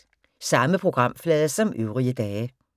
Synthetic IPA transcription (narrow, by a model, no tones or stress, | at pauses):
sɑməpʰʁoɡ̥ʁɑ̈m̰flɛːðˠəsɒmøːʁiəd̪ɛːə